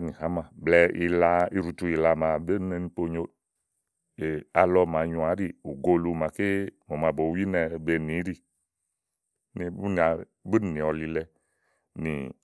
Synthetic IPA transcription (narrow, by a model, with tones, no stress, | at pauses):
nĩ˨ɦa˨˦mã˨blɛ˨˧ḭ˧la˧i˧ɾu˨tu˧i˨la˧mã˨be˦nɛ˧ni˧po˧ɲo˧˦ | e˨a˧lɔ˧ma˨ɲu˨a˨˦ɾi˦˨u˨ɡo˧lu˧˨ma˨ke˦mo˨ma˧˨bo˨˦wi˦nɛ˧be˧nĩ˨˦ɾi˦˨ | ni˨bn˨a˨ | bu˦n˨nĩ˨ɔ˨li˧lɛ˧ | nḭ˨